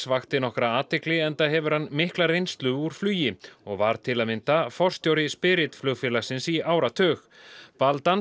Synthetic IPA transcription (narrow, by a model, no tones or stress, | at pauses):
svaxt̪ɪnɔhkɾaaːt̪ɪklɪɛnt̪aɦɛvʏɾhanːmɪhklarejnst̪lʏuɾ̥flyːjɪɔɣvaɾ̥t̪ʰɪlaðmɪnt̪afɔr̥st̪jowɾɪspɪɾɪt̪flœɣfjɪlasɪnsiaːwɾat̪ʰœːx | palt̪an